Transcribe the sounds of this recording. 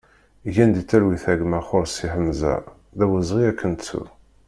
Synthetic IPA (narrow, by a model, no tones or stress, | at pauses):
ʝænd̪it͡sːæɾwiθæɡmæχoɾsiħəmzæ̰ | ðæwəzˤʁiækːənt͡sːṵ